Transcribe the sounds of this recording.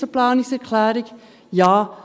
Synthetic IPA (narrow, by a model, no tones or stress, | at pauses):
əplɑːnisɛrkʰlæːɾɛk | jɑː